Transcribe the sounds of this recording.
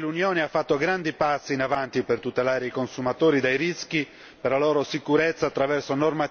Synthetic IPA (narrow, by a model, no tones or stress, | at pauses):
lunjɔːneafːat̪ːoɡɾand̪ipasːiːnavant̪ipert̪ut̪elaːɾeikonsumat̪oːɾid̪ajɾisk̟i | perlalɔːɾosikuɾɛt̪sːaːt̪ːɾavɛrsonorma